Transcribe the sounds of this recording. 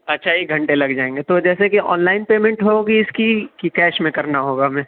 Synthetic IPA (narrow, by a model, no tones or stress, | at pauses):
ɐtːʃʰajeɡʱɐ̃ɳʈẽlɐɡd͡ʒaːẽːŋɡet̪od͡ʒɛːsekiɔ̰ːnlaːɪnpeːmẽɳʈɦoɡiɪskikikɛːʃmẽkɐɾnaɦoːɡamɛ̃ː